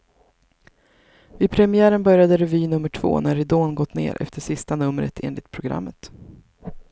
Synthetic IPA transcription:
vɪpʰɾɛmɪæːɾənbœɾjad̪əɾɛviːnɵmːəʈʰv̥o̰ːnæɾɪd̪oːnɡɔt̪ːnḛːɾʔɛ̰ft̪əʂɪst̪anɵmːɾə̰t̪ʰḛːnlɪt̪̚pʰɾʊɡɾa̰mːət̪

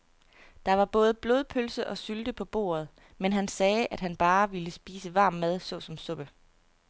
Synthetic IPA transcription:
d̥ɑ̈ʋɑ̈b̥ɔ̽ːð̞ˠəb̥lo̝ð̞ˠpʰølsəʔɒ̽syld̥əpʰɒ̽b̥o̝̰ːɐð̞ˠ | menɦænsɛːʔæd̥ɦænb̥ɑ̈ːʋiləsb̥iːsəʋɑ̈ːmːæð̞ˠsɔ̽sɒ̽msɔ̽b̥ə

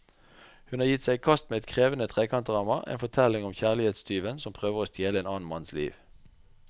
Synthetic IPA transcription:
hʉnɑːʁjɪt̪sæɪkʰɑst̪meːɛt̪kʰʁeːʋənət̪ʰʁeːkʰɑnt̪əʁɑːmɑḛːnfɔt̪ʰɛlɪŋɔmçæːʁlɪheːt̪st̪ʰyːʋənsɔmpʰʁøːʋəʁoːst̪jeːləeːnɑːn̩mɑnslḭːʋ

